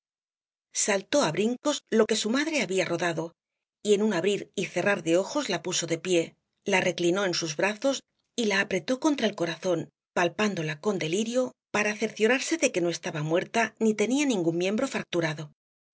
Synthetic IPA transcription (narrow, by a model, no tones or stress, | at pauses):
salt̪o̞aβɾiŋko̞zlo̞ke̞sumaðɾe̞aβiaro̞ðaðo̞ | ie̞nuŋaβɾiɾiθe̞raɾðe̞o̞xo̞zlapuso̞ðe̞pje̞ | lare̞klino̞e̞nsuzβɾaθo̞s | ilaːpɾe̞t̪o̞ko̞nt̪ɾaelko̞ɾaθo̞n | palpand̪o̞lako̞nd̪e̞liɾjo̞paɾaːθe̞ɾθjoɾaɾse̞ðe̞ke̞no̞est̪aβamwe̞ɾt̪anit̪e̞nianĩŋɡummje̞mbɾo̞fak̚t̪uɾaðo̞